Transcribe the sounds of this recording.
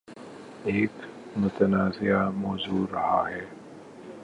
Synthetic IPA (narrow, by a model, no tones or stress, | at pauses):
eːk | mʊt̪ənaːzɪjamoːzuːɾɐha̰ɦɛː